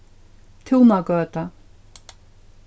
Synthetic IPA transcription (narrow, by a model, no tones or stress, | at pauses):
t̪ʰuːmakœːt̪a